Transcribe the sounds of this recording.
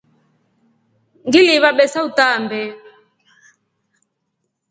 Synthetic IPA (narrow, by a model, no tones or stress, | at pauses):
ŋɡiliβaɓɛsautambɛ